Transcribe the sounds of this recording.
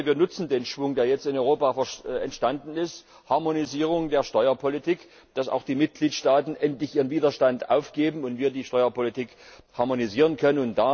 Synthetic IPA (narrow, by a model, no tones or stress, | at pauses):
viːɐnʊt͡sn̩deːnʃv̥ʊŋdeːɐjɛt͡stɪnʔɔʏʁoːpafɛɐɛ̰ntʃtandn̩ɪst | haɐmoniziːʁ̞ʊŋdeːɐʃtɔʏɐpʰolitʰik | d̥asa̰ʊxd̥iːmɪt̚ɡ̥liːtʃtaːtn̩ʔɛntlɪçʔiːʁ̞ənviːdɐʃtantʔa̰ʊfɡ̥eːbm̩ʊntv̥iːɐdiːʃtɔʏɐpolitikhaɐmoniziːʁ̞ənkʰœnənʊnt̚d̥a